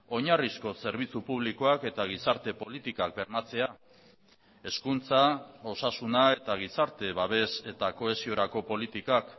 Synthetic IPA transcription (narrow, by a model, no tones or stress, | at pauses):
o̞ɲarisko̞se̞ɾβ̞it͡supuβ̞likoake̞t̪aɣ̞isaɾt̪e̞po̞lit̪ikak̚be̞ɾmat͡se̞a | e̞skunt͡sao̞sasunae̞t̪aɣ̞isaɾt̪e̞βaβ̞e̞se̞t̪ako̞e̞sio̞ɾako̞po̞lit̪ikak